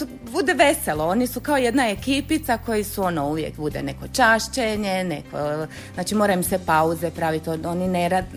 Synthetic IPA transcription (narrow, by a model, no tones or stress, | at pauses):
t̪o | bud̪eʋe̞selˠo̞o̞nisukaoje̞d̪nae̞kiːpit̪sako̞jisuo̞nouʋjḛkbud̪ene̞ko̞t͡ʃaʃt͡ʃeɲeneko | znaːt͡ʃimo̞ːɾajumsepauzepɾaːʋit̪oonineɾad̪